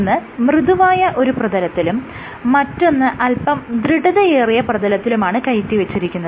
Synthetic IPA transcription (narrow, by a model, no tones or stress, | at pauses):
nːɨmrɨðuʋaːjɐʔo̞ɾuprɐðɐlɐt̪ːilumː | ɐtːo̞nːɨʔɐlpɐmd̪ɾɨɽɐðɐjeːrijɐprɐðɐlɐt̪ːilumaːɳɨkɐjitːiʋet͡ɕːiɾikʲːunːɐð